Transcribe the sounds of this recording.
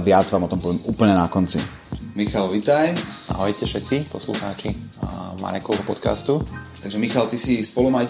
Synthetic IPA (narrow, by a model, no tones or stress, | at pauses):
ʋɪad͡zʋaːmɔt̪ɔmpɔʋɪɛmuːpl̩ɲɛnakɔnt͡sḭ | mixalʋit̪aja̰ɦɔcːɛfʃɛtt͡sipɔsluxaːt͡ʃi | ma̰ɾɛkɔʊɦɔpɔt̪ka̰st̪ut̪aɡʒɛmixalt̪isispɔlumaj